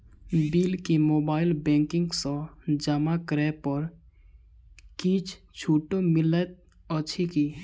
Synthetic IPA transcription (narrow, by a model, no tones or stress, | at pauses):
biːlkimoːbaːɪlbɛ̃ːŋkɪ̃ŋɡsɔ̃d͡ʒamakɾɛːpɔɾ | kiːt͡ʃʰ | t͡ʃʰuːʈomɪlət̪̚ | ɔt͡ʃʰiki